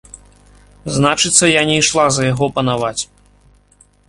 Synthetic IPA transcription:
znat͡ʂɨt̪sːɐjanʲɛjʂlˠazɐjaɣɔpɐnavat͡sʲ

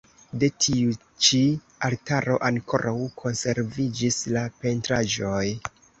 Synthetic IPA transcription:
de̞tʰiu | t͡ʃi | altaɾo̞ʔaŋkʰo̞̰ɾʔawkʰo̞nse̞ɾvid͡ʒislape̞ntɾaʒo̞j

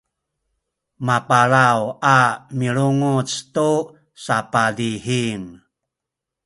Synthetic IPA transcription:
mapaɾawamiɭuŋut͡stu | sapadiɦiŋ

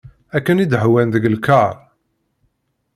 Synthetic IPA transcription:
ækːənid̪ɦwænðəɡlkɑɾˤ

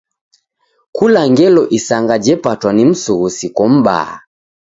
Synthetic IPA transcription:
kulaŋɡɛlɔʔisaŋɡad͡ʒɛpatwanim̩suɣusikɔm̩ba̰a̰

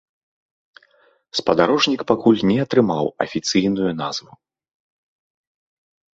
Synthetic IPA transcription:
spɐd̪aɾɔʐnʲikpakulʲnʲɛɐt̪ɾɨmawɐ̰fʲit̪sɨjnujun̪azvu

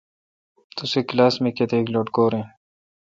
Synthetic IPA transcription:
t̪useklaːsmeket̪eːkloːʈkoːɾẽː

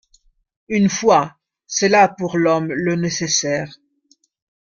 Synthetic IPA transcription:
ynfwa | sɛlapuʁlɔmlənesesɛːʁ

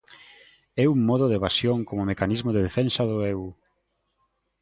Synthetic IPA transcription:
ɛuŋmɔðoðeβasjoŋkomʊmekanizmoðeðefɛnsɐðʊɛu

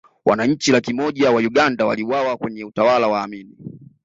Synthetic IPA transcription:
wanaɲ̩t͡ʃilakimɔʄawauɠandawa̰liwawakwɛɲɛutawalawaːmini

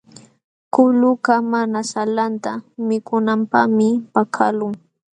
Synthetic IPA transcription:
kʊlʊkamanasalant̪amɪkʊnampa̰hmɪpakʰalʊŋ

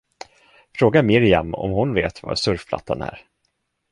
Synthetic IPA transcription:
fɾoːɡaɾmɪɾɪamɔ̰mhʊnveːt̪va̰sɵɾfpʰla̰t̪ʰːanæ̰ɾ

